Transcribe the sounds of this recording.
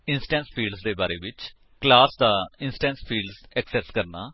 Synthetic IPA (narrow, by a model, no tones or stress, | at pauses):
ɪ̃nsʈɛ̃ːnspʰiːlɖzd̪eːbaːɾeːʋɪt͡ʃ | klaːsd̪aːɪ̃nsʈɛ̃ːnspʰiːlɖzɛksɛskəɾna̰ː